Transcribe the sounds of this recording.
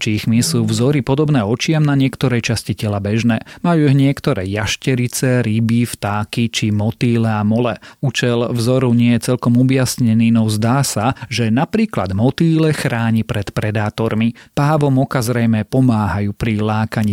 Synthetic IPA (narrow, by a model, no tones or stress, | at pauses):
t͡ʃixmisuːvzɔɾipɔd̪ɔbnɛːɔt͡ʃɪamnaɲɪɛkt̪ɔɾɛjt͡ʃascicɛlabɛʒnɛːmajuːiɦɲɪɛkt̪ɔɾɛ̰ːjaʃcɛɾit͡sɛɾibift̪aːkit͡ʃimɔt̪iːlɛamɔlɛut͡ʃɛlvzɔɾuɲɪɛjɛt͡sɛlkɔmɔbjasɲɛniːnɔzd̪aːsaʒɛnapɾiːkla̰d̪mɔt̪iːlɛxɾaːɲipɾɛt̪pɾɛd̪aːt̪ɔɾmipaːʋɔmɔkazɾɛjmɛpɔmaːɦajuːpɾilaːkaɲi